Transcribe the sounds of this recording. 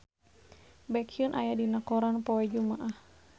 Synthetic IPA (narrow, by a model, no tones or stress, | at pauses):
bakʰiunʔajadinakɔɾanpɔwɛd͡ʒumaʔah